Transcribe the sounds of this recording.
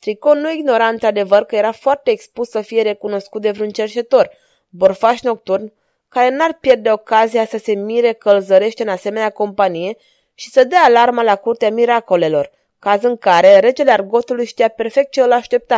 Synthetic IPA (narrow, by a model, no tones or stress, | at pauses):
t̪ɾiko̞nuiɡno̞ɾaɨnt̪ɾad̪e̞vərkəje̞ɾafoart̪e̞ːkspussəfijeɾe̞kuno̞skut̪̚d̪evɾiunt͡ʃe̞rt͡ʃe̞t̪o̞r | bo̞rfaʃno̞k̚t̪urn | kaɾe̞narpje̞rd̪e̞o̞kazijasəse̞miɾe̞kəlzəɾe̞ʃt̪eɨnase̞me̞neako̞mpanije̞ | ʃi̥səd̪eaːlarməlakurt̪eamiɾako̞le̞lo̞r | kazɨŋkaɾe̞ɾe̞t͡ʃe̞learɡo̞t̪ulujʃt̪ijape̞rfe̞k̚t̪̚t͡ʃeɨlaʃt̪e̞p̚t̪a